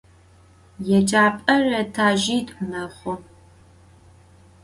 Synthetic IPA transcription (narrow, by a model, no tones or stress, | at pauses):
jɛd͡ʒʼaːpʼɐrɐtʰaːʒiːtʼnɐχʷʊ